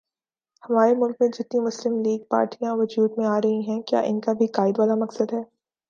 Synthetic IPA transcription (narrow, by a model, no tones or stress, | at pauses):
hɐmaːɾemʊlkmẽd͡ʒɪt̪nimʊslɪmliːɡ̚pa̰ːɾʈijãʋɐd͡ʒuːd̪mẽaːɾɐɦĩɦɛ̃kja̰ːʔɪnkabʱikaːɪd̪ʋaːlamɐksəd̪ɦɛː